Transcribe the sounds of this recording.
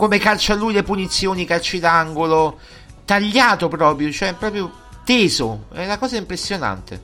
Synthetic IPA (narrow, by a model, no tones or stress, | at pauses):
komekalt͡ʃalːujlepunit̪sːjoːnikalt͡ʃid̪aŋɡolo | t̪aʎːaːt̪opɾɔːpɾjot͡ʃoɛpːɾɔːpɾjo | t̪eːzoɛunakɔːzaimpɾesːjona̰nt̪ḛ